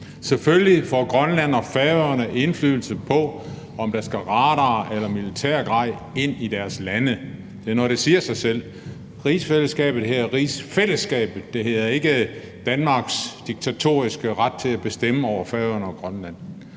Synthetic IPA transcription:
seføllifɒ̰ːɡ̥ʁɶnlæn̰ɒ̽fɛʊɐnəʔe̝nflyːl̩səpʰɒ̽ | ɒ̽md̥ɑ̈sɡ̥æʁɑ̈ːɾɐʔelɐmilit͡sʰæ̰ɐ̰ɡ̥ʁɑ̈ðɪ̰ | e̝n̰id̥æɐslænə | d̥e̝æɐnɒɾ̥e̝siːɐsɑ̈ɪsel̰ | ʁiːsfeləsɡ̥ɛ̰ːb̥ð̩ˠhæɐʁisfel̰əsɡ̥ɛ̰ːb̥ð̩ˠd̥e̝he̝ð̰ˠɐe̝ɡ̥ə | d̥ænmɑ̈ɡ̥sd̥iɡ̥̚t͡sʰæt͡sʰo̝̰ːisɡ̥əʁad̥̚t͡sʰe̝læb̥e̝sd̥eməɒʊɐfɛːʊɐnəɒ̽ɡ̥ʁɶnlæn̰

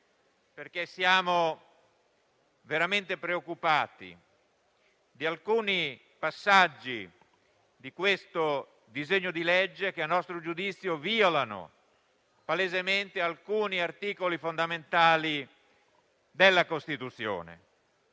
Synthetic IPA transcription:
perk̟esːjaːmo | veɾament̪epɾeokːupaːt̪ḭ | d̪ialkuːni | pasːad͡ʒːi | d̪ikwest̪o | d̪izeɲːod̪ilɛd͡ʒːek̟eanːɔst̪ɾod͡ʒud̪it̪sːjoviːolano̰ | palezement̪ealkuːniart̪iːkolifond̪ament̪aːli | d̪elːakost̪it̪ut̪sːjo̰ːnḛ

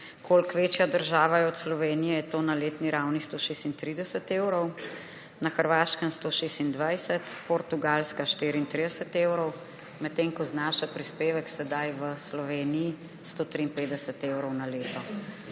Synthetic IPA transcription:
kʰolkʋeːt͡ʃjad̪əɾʒaːʋajɛɔt̪slɔʋeːnijɛjɛt̪oːnaleːt̪niɾawnist̪oːʃeːst̪int̪ɾid̪ɛsət̪eːwɾɔw | naxəɾʋaːʃkənst̪oːʃeːst̪ind̪ʋajsɛt̪pɔɾt̪uɡalskaʃt̪iɾiːnt̪ɾid̪ɛsət̪ewɾɔw | mɛt̪ːeŋkɔznaːʃapɾispeːʋəksɛd̪ajʋəslɔʋeːniji | st̪oːt̪ɾiːnpeːd̪əsət̪ewɾɔwnaleːt̪ɔ

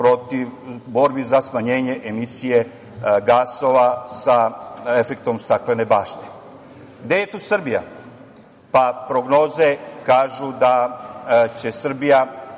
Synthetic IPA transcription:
pɾo̞t̪iʋbo̞ɾbizasmaɲe̞ːɲe̞ʔemisije̞ | ɡaːso̞ʋasae̞fe̞kt̪o̞mst̪aklene̞baːʃt̪e̥ | ɡd̪je̞je̞t̪uːsr̩bija̰ | papɾo̞ɡno̞ːze̞kaːʒud̪a | t͡ɕe̞sr̩bija

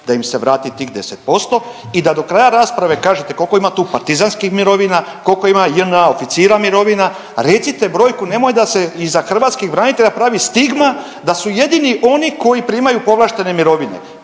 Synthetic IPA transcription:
d̪̥aimse̞ʋɾaːt̪it̪iːxd̪e̞set̪̚po̞st̪o̞ | id̪ad̪o̞kɾaːjaɾaːspɾaʋe̞kaːʒet̪e̞ko̞lko̞imat̪uːpaɾt̪izanskixmiɾo̞ʋinako̞lko̞imajənao̞fit̪siːɾamiɾo̞ʋina | ɾe̞t̪sit̪e̞bɾo̞ːjkune̞mojed̪ase̞izaxr̩ʋat̪skiɣbɾaːnit̪e̞ʎapɾaːʋist̪iɡma | d̪asuje̞d̪iniʔo̞niko̞jipɾiːmajupo̞lˠaʃt̪e̞ne̞miɾo̞ʋine̞̰

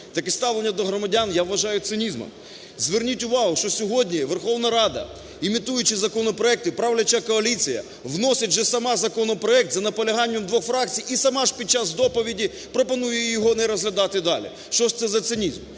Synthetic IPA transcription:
t̪ɐkɪst̪ɑʋlˠenʲːɐd̪ɔɦɾɔmɐdʲanjaʋːɐʒɑjʊt̪sɪnʲizmɔ̰m | zʋernʲitʲʊʋɑɦʊʃt͡ʃɔsʲɔɦɔdʲnʲiʋerxɔʋnɐɾɑd̪ɐ̰ | imʲit̪ujʊt͡ʃɪzɐkɔnɔpɾɔɛk̚t̪ɪpɾaʋlʲɐt͡ʃɐkɔɐlʲit͡sʲijɐ̰ | ʋnɔsʲɪt̚ʲʒɛsɐmɑzɐkɔnɔpɾɔɛk̚t̪zɐnɐpɔlʲɐɦɑnʲːɐmd̪ʋɔxfɾɑkt͡sʲijisɐmɑʒpʲid̪̚t͡ʃasd̪ɔpɔʋʲidʲi | pɾɔpɔnujɛjɔɦɔnɛɾɔzɦlʲɐd̪ɑt̪ɪd̪ɑlʲḭ | ʃt͡ʃɔʃt̪sɛzɐt̪sɪnʲizm

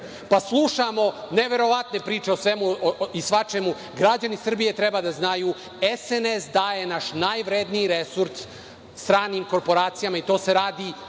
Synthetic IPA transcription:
paslˠuʃamo̞neʋe̞ɾo̞ʋat̪ne̞pɾiːt͡ʃe̞osʋe̞muisʋat͡ʃemu | ɡɾad͡ʑanisr̩bije̞t̪ɾebad̪aznajuː | esenesd̪aje̞naʃnajʋɾed̪niiɾesuɾt̪ | st̪ɾaːniːmko̞ɾpo̞ɾaːt̪sijamait̪o̞ːse̞ɾaːd̪i

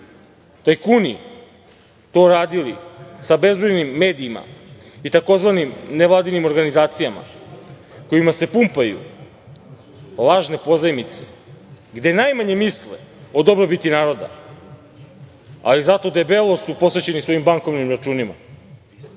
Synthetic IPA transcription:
t̪ajkuni | t̪o̞ːɾaːd̪ilisabe̞zbɾojnimːe̞ːd̪iːma̰ | it̪ako̞zʋanimnevʋlˠaːd̪inimo̞ɾɡanizaːt̪sijama̰ | ko̞imase̞pumpajṵ | lˠaʒne̞po̞zajmit̪se̞ | ɡd̪e̞najmaɲe̞misleo̞d̪o̞bɾobit̪inaːɾo̞d̪a̰ | a̰lizat̪o̞d̪ebe̞lˠo̞supo̞sʋe̞t͡ɕe̞nisʋo̞imbaŋko̞vnimɾat͡ʃuːnima̰

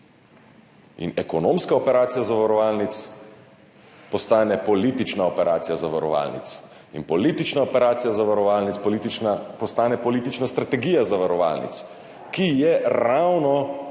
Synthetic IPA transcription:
ḭnɛkɔnõːmskaopɛɾaːt̪sijazaʋaɾɔʋaːlnit̪s | pɔst̪aːnɛpɔlit̪it͡ʃnaopɛɾaːt̪sijazaʋaɾɔ̰ʋa̰lnḭt̪s | inpɔliːt̪it͡ʃnaopɛɾaːt̪sijazaʋaɾɔʋaːlnit̪spɔlit̪it͡ʃnapɔst̪aːnɛpɔlit̪it͡ʃnast̪ɾat̪ɛɡijazaʋaɾɔʋa̰lnḭt̪s | kijɛɾawnɔ

